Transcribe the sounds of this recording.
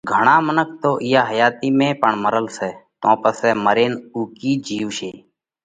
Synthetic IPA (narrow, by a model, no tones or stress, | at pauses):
ɡʱəɳaːmənək̚ʰt̪oːʔɪjaːɦəjaːt̪iːmẽːpəɳməɾəlsɛːt̪ãːpəsɛːməɾeːnuːkiːd͡ʒʱiːʋʃeː